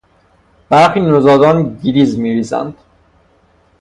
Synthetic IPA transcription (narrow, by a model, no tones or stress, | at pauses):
b̥æɾxiːnozɒːd̪ɒːnɟiɾiːzmiviːzæ̰nd̪̥